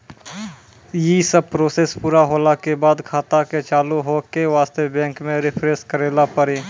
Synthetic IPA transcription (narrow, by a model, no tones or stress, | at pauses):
jisəb̚pɾoːseːspuːɾaɦoːlakebaːd̪kʰaːt̪aket͡ʃaːluɦoːkeʋaːst̪ebɛ̃ːŋkmẽɾɪpʰɾeːskəɾeːlapəɾiː